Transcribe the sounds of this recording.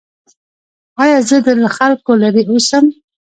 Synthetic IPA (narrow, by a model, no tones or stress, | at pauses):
ɑjɑzəd̪əlaxalkolaɾiusəm